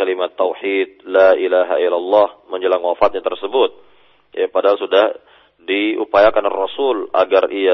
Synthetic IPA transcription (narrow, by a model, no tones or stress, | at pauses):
alimat̪ːawħit̪̚laʔilaɦa̰ilalːɑhməɲd͡ʒəlaŋwafat̪̚ɲat̪ərsəbʊt̪̚ | japadaɦalsudah | diupajakanrɔsula̰ɡaria